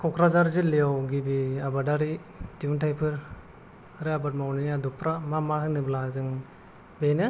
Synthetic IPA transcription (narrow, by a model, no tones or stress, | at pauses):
kʰɔkʰɾazaɾzilːijawɡibiabadaɾi | diuntʰajpʰɯɾ | ɾeabɯt̚mawninadupʰɾamamahɯnɯblazɯŋ | benɯ